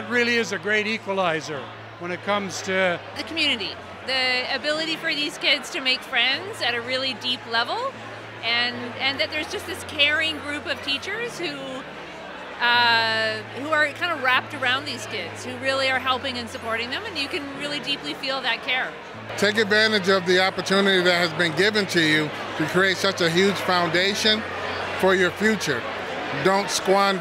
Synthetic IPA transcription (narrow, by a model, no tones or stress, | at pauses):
ɨt̚ɹɪlˠiɨzɨɡɹeɪɾikwəlaɪzə˞ | wə̃ñɨt̚kʰʌ̃mz̥tʰɨðɨkʰmjʉñɨɾi | ðiɨbɪlˠɨɾifə˞ðiz̥kɪdz̥tʰɨmeɪkfɹɛ̃ndzɨɾɨɹɪlˠidiplɛvl̩ˠ | ʔɨ̃nɨ̃nðɨt̪̚ðə˞zd͡ʒʌst̪̚ðɪskʰɛɹɪ̃ŋɡɹʉpʌv̥tʰit͡ʃə˞z̥hu | ʌ | huə˞kʰãɪ̃ndəɹæp̚tə˞ãʊ̃nðiz̥kɪdz̥hʉɹɪlˠiə˞ɦɛlˠpɪ̃ŋɨ̃nsɨpʰɔɹɾɪ̃ŋðɨ̃mɨ̃njɨkɨ̃nɹɪlˠidiplifilˠðɨt̚kʰɛɹ | tʰeɪk̬ɨdvæ̃ɾ̃ɨd͡ʒʌvðiɑpə˞tʰʉnɨɾiðɨt̚ɦhɨzbɨ̃nɡɪvɨ̃ntʰɨjʉɾɨkʰɹ̥ieɪtsʌt͡ʃɨɦjʉd̥ʒ̥fãʊ̃ndeɪʃɨ̃n | fə˞jə˞fjʉt͡ʃə˞ | dõʊ̃ntskwɑ̃n